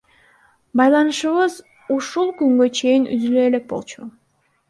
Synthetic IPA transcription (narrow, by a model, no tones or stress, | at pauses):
bɑjlˠɑnɯʃɯβɯz | uʃulˠkyŋɡø̞t͡ʃʰe̞jinʔy̰zyløele̞k̚bo̞̰lˠt͡ʃʰu